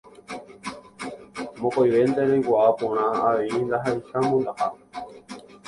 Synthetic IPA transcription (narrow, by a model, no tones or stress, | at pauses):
mõkojʋe̞nd̪eɾejkaapõɽ̃ãaeind̪aɦaiʃamõnd̪aʔa